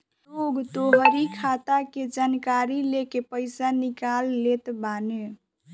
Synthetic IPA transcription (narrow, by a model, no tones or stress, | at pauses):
oɡt̪oɦəɾikʰat̪aked͡ʒankaɾilekepəɪsanikalːet̪bane